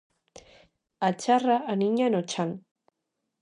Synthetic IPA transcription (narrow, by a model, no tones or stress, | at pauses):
at͡ʃaraaniɲanot͡ʃaŋ